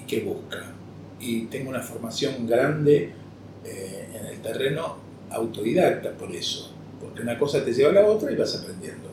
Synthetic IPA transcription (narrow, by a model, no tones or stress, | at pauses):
keβuhka | it̪eŋɡounafo̞ɾmasjo̞ŋɡɾand̪e | eeːnḛlt̪ere̞no̞ | a̰wt̪o̞ðiðak̚t̪apo̞ɾḛso̞̥ | po̞ɾkeunako̞sat̪e̞ʒeβalao̞t̪ɾaiβasapɾend̪jḛnd̪o̞